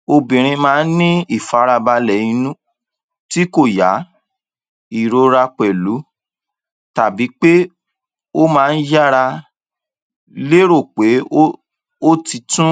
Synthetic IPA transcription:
o˧bĩ˨ɾ̃ĩ˧mãː˦˧˦n̩˦nĩ˦i˦˨fa˨˦ɾa˧ba˧lɛ˨jĩ˧nũ˦ | ti˦ko˦˨ja˨˦ | i˦˨ɾo˧ɾa˧k͡pɛ˨lu˨˦ | ta˨bi˨˦k͡pe˦ | o˦mãː˦˧n̩˦d͡ʒa˦ɾa˧ | le˦ɾo˦˨k͡pe˨˦ | o˦ti˧tũ˦

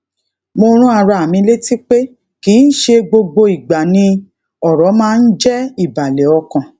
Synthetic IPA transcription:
mo˧ɾ̃ũ˦a˧ɾa˧˨mĩ˧le˦ti˦k͡pe˦ | ki˨˦n̩˦ʃe˧ɡ͡bo˧ɡ͡bo˧i˨ɡ͡ba˨nĩ˧ | ɔ˦˨ɾɔ˨˦mãː˦˧n̩˦d͡ʒɛ˦i˦˨ba˨lɛ˨˦ɔ˧kã˨

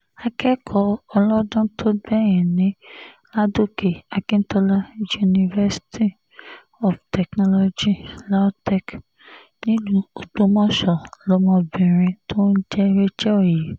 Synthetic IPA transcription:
a˧kʰɛ˦kʰɔ˧ɔ˧lɔ˦dɔ̃˦tʰo˦bɛ˦˨j̃ĩ˨nĩ˨˦ | la˦do˦ke˨a˨kĩ˦n̩˦tɔ˦la˦ju˦˧˨nĩ˧vɛ˦si̥˦tʰi˦ | ɔ˨ftɛ˨knɔ˧lo˧d͡ʒi˦la˦tɛ˦k | nĩ˦lu˦o˨k͡po˨˦mɔ̃˦ʃɔ˨lɔ˨˦mɔ̃˧˨bĩ˨ɾ̃ĩ˧tʰo˦n̩˦d͡ʒɛ˦ɾe˦d͡ʒɛ˦o˦˨je˨

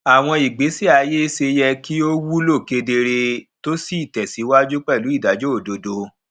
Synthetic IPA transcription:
a˨w̃ɔ̃˧i˨ɡ͡be˨˦si˦a˨˧je˦se˧jɛ˧ki˦o˦wu˦lo˦˨ke˧de˧ɾe˧to˦si˦i˨tɛ˨si˨˦wa˦d͡ʒu˦k͡pɛ˦˨lu˨˦i˦˨da˨˦d͡ʒo˦o˦˨do˨do˧

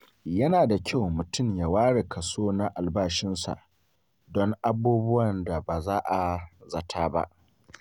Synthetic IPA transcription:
jɐ˦naː˨da˨kʲʰa˦˨wmʊ˨tʊ˦˨mja˨waː˦ɽe˨kʰɐ˨soː˦na˦ʔa˨lbaː˦ʃɪ˦nsa̰˨ʔ | dɔ˦ŋʔa˦buː˦bʊ˦wɐ˨nda˨baː˨zaː˦ʔa˨zɐ˨tʰaː˦ba̰˦ʔ

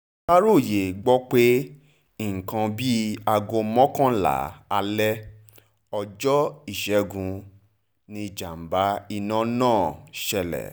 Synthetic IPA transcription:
ka˦ɾo˦˨je˨ɡ͡bɔ˦k͡pe˦ | i˦˨ŋ̩˨kã˧bi˦a˧ɡõ˧mɔ̃˦kã˦la̰˨˦a˧lɛ˦ | ɔ˧d͡ʒɔ˦i˦˨ʃɛ˨˦ɡũ˧ | nĩ˧d͡ʒa˨m̩˨ba˨˦i˧nã˦nãː˦˨ʃɛ˧lɛ̰˨

